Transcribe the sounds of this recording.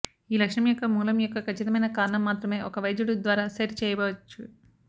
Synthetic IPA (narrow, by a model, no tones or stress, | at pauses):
iːlɐkʂɳɐmjɔkːɐmuːlɐmjɔkːɐkʰɐt͡ʃːit̪ɐmɐjnɐkaːɾɐɳɐmːaːt̪ɾɐme̞ːʔɔkɐʋɐjd͡ʒ̪uɽud̪ʋaːɾaːsɐɾt͡ʃɛːjɐbɔːʋɐt͡ʃːu